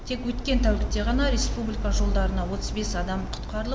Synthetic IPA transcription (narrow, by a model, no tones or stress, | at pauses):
t̪ʰe̞kwɵt̪kʲe̞nt̪ʰæwlɪkt̪e̞ʁɑnɑɾʲe̞spublijkɑʒo̞lˠd̪ɑɾənɑwo̞t̪əzbe̞sɑd̪ɑmqʰʊ̥t̪qɑɾəlˠ